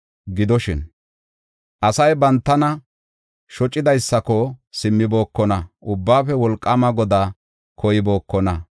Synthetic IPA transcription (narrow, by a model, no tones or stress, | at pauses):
ɡɪd̪ɔʃɪn | ʔɐsɐjbɐnt̪ːɐnɐ | ʃɔt͡ʃʼːɪd̪ɐjsːɐkɔsɪmːɪbo̞ːkːɔnɐʔʊbːaːfɛwɔlkʼːɐmɐɡɔd̪aː | kʰɔjɪbo̞ːkːɔnɐ